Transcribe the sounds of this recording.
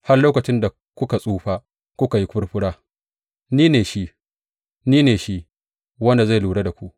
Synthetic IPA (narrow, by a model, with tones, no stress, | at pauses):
ha˦rloː˦kɐ˨t͡ʃɪ˦nda˨ | kʷʊ˦ka˨sʼuː˦ɸaː˦ | kʷʊ˦ka˨ji˦kʷʊ˦ɽɸʊ˦ɽaː˦ | niː˦neː˨ʃi˦ | niː˦neː˨ʃi˦ | wɐ˦nda˨za˦˨luː˨ɽe˦da˨kʷu˦ʔ